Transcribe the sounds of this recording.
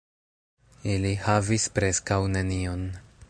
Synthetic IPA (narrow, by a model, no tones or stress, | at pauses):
ilihavispɾe̞skawne̞nio̞n